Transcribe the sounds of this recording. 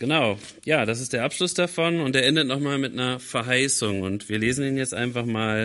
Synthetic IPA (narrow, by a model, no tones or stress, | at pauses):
ɡ̥ənaʊ | jaːd̥as̬ɪstd̥eːɐʔapʃlʊsd̥afɔnʊnteːɐʔɛndətnɔχmaːlmɪtnɐfɛɐɦaɪsʊŋʊ̰ntv̥iːɐleːzn̩iːnjɛt͡stʔa̰ɪnfaχmaːl